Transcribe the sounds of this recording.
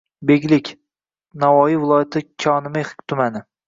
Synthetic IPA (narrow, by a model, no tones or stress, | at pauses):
beɡʲlɪkʲ | navɒjivɪlˠɒjat̪ʰɪkʲʰɒnɪmaχɪ̥kʲt̪ʰʊmanɪ